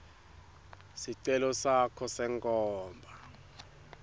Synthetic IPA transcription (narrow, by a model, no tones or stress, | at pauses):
siǀɛlɔsakʰɔsɛŋkʼɔːmbʱa